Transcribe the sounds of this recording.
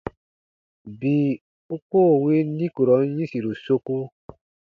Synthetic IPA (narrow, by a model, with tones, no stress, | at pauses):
bi˨ | u˦ko˦˨we˦nĩ˦ku˨ɾɔ˨˦jĩ˦si˨ɾu˨so˧ku˦